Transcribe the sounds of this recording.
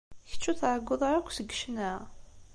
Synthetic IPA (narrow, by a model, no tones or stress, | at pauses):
çə̥t͡ʃːuθʕəɡʷːʊðˤɑɾækʷʰːsəɡːʃnæ